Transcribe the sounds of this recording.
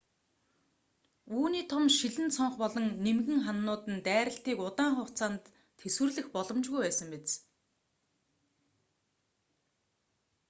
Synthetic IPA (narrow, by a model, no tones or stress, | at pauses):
uːniːt̪ʰɔmʃiɮɘ̆nt͡sʰɔɴχpɔɮɞ̆ŋnemɣɘ̆ŋχanːʊːt̪ɘ̆nt̪æːɾə̆ɬt̪iːkʊt̪aːŋχʊw̥ʰt͡saːnt̪ʰː | eswɘ̆rɮɘ̆xpɔɮɞ̆mt͡ɕɣujpæːsə̆mpet͡s